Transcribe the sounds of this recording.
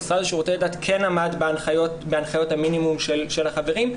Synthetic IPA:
sadʃeʁo̞t͡seladatkʰenamadbeanχajotbeanχajo̞thaminimumʃelʃelhaχave̞ʁim

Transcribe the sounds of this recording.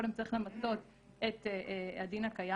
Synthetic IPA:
odemt͡saʁiχle̞mat͡so̞t̪ | et̪adinakaja

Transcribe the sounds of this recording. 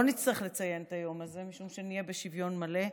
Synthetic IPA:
onit͡sliχle̞t͡sajent̪ajo̞maze̞miʃumʃenijebeʃivjo̞nmale̞

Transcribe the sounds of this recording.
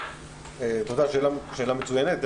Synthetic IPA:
et̪od̪aʃelaʃelamet͡sujɛnet̪̚d̪

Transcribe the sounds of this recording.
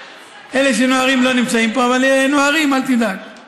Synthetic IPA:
ʔele̞ʃ̬eno̞aʁimlo̞nimt͡saimpo̞avaleno̞aʁimalt̪id̪ak

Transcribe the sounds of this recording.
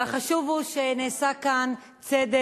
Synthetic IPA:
aχaʃuvuʃeneːsakan | t͡sed̪e

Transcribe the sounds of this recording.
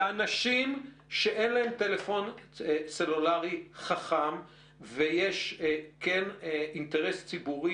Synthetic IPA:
anaʃim | ʃeʔenlaemtelefo̞nselulaʁiχaχam | vejeʃkeninteʁest͡sibuʁi

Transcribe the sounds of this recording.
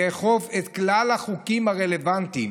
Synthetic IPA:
eːχo̞vet̪klalhaχukimhaʁe̞le̞vant̪im

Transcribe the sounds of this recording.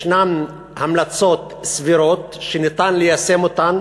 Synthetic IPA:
ʃnam | hamlat͡so̞t̪ | sviɾot̪ʃenit̪anlejase̞mot̪an

